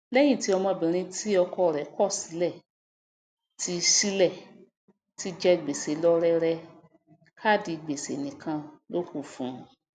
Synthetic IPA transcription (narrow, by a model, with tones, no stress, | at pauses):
lɛ˦j̃ĩ˦˨ti˨˦ɔ˧mɔ̃˧˨bĩ˨ɾ̃ĩ˧ti˦ɔ˧kʰɔ˧˦˨ɾɛ˨˦kɔ˦˨si˨˦lɛ˦˨ | ti˧si˦lɛ˦˨ | ti˧˦d͡ʒɛ˦˨ɡ͡be˨se˨˦lɔ˦ɾɛ˧ɾɛ˧ | kʰa˦˨di˧ɡ͡be˨sḛ˨nĩ˨kʰã˧lo˦ku˦˨fũ˨˦˨